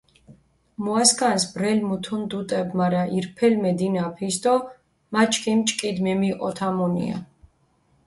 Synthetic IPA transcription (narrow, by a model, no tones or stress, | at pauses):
muaskʼansbɾɛlmut̪ʰund̪ut̪ʼɛbmaɾaʔiɾpʰɛlmɛd̪inapʰisd̪ɔ | mat͡ʃʰʼkʰimt͡ʃʼkʼid̪mɛmiqʼɔt̪ʰamunḭa̰